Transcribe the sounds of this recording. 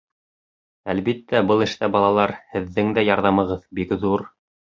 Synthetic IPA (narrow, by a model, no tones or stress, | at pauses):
ælβit̪ːæbɤlˠɘ̆ʃt̪æbɑlˠɑlˠɑɾhɘ̆ðːɘŋd̪æjɑɾðɑmɤ̆ʁɤðbikðuɾ